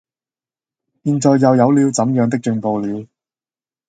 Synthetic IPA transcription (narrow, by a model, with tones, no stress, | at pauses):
jiː˨˧nt͡ʃɔː˨˧jːɐ˨wjɐ˨˧wliː˨˧wt͡sɐ˨˥mjœː˨˧ŋt̪ɪ˥k̚t͡ʃɵ˨˧ŋpo˨˧wliː˨˧w